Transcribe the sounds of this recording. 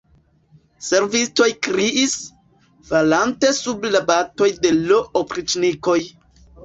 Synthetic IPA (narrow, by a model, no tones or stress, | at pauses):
se̞ɾvisto̞jkɾiʔis | valante̞sublabato̞jde̞loʔopɾit͡ʃniko̞j